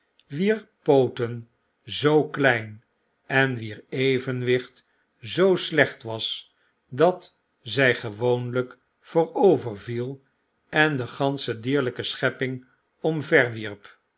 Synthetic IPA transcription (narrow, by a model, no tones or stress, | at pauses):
ʋiːɹpowtən | zowklɛjn | ɛnʋiːɹejvənʋɪχt | zowslɛχtʋɑs | dɑt | zɛjχəʋownlək | foːɹowvərvilˠ | ɛndəχɑnsədiːɹləkəsχɛpɪŋ | ɔmvɛɹʋiɹp